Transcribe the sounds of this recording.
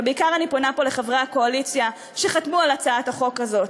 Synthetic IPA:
beikaʁaniponapo̞leχavʁaako̞alit͡sja | ʃe̞χatmualat͡saathaχo̞kazo̞t

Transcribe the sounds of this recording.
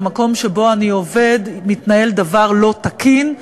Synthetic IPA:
mako̞mʃe̞bo̞anio̞ve̞d̪mit̪nae̞ld̪avaʁlo̞t̪akin

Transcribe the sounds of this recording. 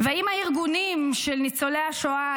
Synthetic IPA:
veaimaiʁɡunimʃelnit͡soleaʃoa

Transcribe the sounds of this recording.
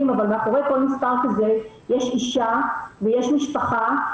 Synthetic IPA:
imavalmeakoʁeko̞lmispaʁkaze | jeʃiʃavejeʃmiʃpaχa

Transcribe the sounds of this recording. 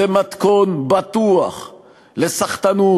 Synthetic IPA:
emat̪konbat̪uaχ | lesaχt̪anu

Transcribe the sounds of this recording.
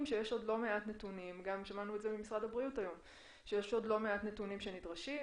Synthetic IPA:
mʃeje̞ʃo̞dlo̞me̞atnetunimɡamʃamanuetzebemisʁadabʁijutajo̞m | ʃejeʃo̞dlo̞me̞atnetunimʃenidʁaʃi

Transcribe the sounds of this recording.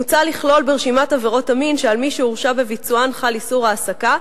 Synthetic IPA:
ut͡saliχlo̞lbeʁʃimataveʁo̞taminʃealmiʃeuʁʃabe̞vit͡suanχalisuʁaːsaka

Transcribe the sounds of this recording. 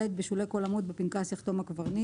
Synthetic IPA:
et̪̚beʃulekolamut̪̚bepinkasiχt̪o̞makvaʁni

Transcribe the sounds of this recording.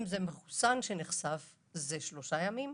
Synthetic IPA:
mzemeχu̥sanʃeneχsav | zeʃlo̞ʃajamim

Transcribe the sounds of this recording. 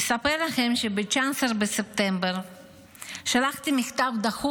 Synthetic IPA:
sapeʁlaχe̞mʃebet͡ʃasɾbesep̚t̪embeʁ | ʃalaχt̪imiχt̪avd̪aχu

